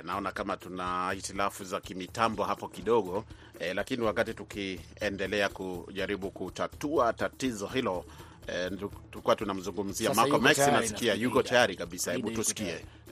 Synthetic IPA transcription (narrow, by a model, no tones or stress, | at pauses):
naɔnakamatunahitilafuzakimitambɔɦapɔkiɗɔɠɔ | lakiniwakatitukiɛndɛlɛakuʄaɾiɓukutatuatatizɔhilɔ | tkuatunam̩zuŋɡum̩ziamakɔmɛksinasi̥kiajukɔtajaɾikaɓisahɛɓutusi̥kiɛ